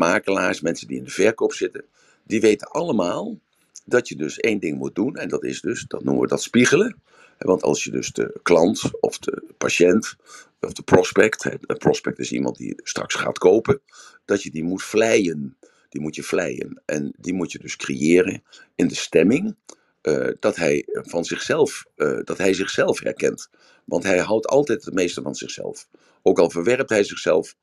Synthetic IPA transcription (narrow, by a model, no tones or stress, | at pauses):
maːkəlaːɹsmɛnsəndiɪndəv̥ɛɹkowpsɪtən | diʋejtənʔɑləmaːlˠ | dɑtjədɵsejndɪŋmut̚dunɛndɑtɪ̰zdɵsd̥ɑtnuməʋədɑtspiχələ | ɦɛ̰ʋɑntɑ̰lˠsjədɵ̰zdə̰klɑntɔ̰fdə̰pa̰ʃɛnt | ɔfd̥əprɔspɛktɦɛ̰prɔspɛk̚tɪsḭmɑ̰nt̚dḭstrɑ̰ksχa̰ːtkowpən | d̥ɑtjədimutflɛjən | d̥imutjəflɛ̰jə̰nʔɛ̰ndimutjədɵskrḛjɪːrən | ɪndəstɛmɪŋ | ʔəd̥ɑtɦɛjvɑnzɪχsɛlˠfd̥ɑtɦɛjzɪχsɛlˠfhɛ̰rkɛnt | ʋɑ̰ntɦɛjɦɑwtʰɑ̰lˠtɛjtətmejstəvɑnz̥ɪχsɛ̰lˠf | owkɑlˠvəɹʋɛrp̚tɦɛjzɪχsɛlˠf